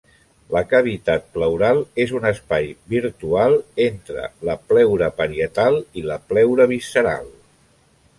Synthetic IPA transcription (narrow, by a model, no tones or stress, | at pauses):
ləkəβ̞it̪at̪̚pləwɾalˠezunəspajbiɾt̪ualˠent̪ɾə̰ləplɛwɾəpəɾiət̪alˠiləplɛwɾəβ̞isəɾa̰lˠ